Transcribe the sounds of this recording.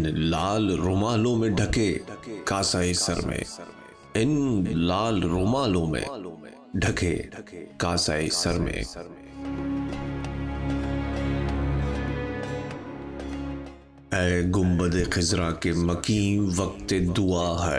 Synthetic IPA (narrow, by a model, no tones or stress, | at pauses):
nlaːlɾʊmaːlõmẽɖʱɐkʰekaːsaːisɐ̰ɾmḛ̃ | ɪnlaːlɾʊmaːlõmḛ̃ | ɖʱɐkʰḛkaːsaːḭsɐɾmḛ̃ | ɛ̃ːɡʊmbəd̪exɪzɾakemɐkĩːʋɐk̚t̪ed̪uaːɦɛ